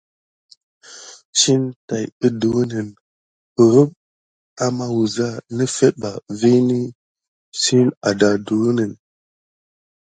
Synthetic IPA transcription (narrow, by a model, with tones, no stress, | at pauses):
t͡ʃi˦nta˨jə˦du˨˦nə˨n | ə˨ɾə˦p̚ | a˨ma˦wu˨za˦nə˦fe˦t̚ba˨ve˦ni˦ | si˦na˨da˨du˨˦nə˨n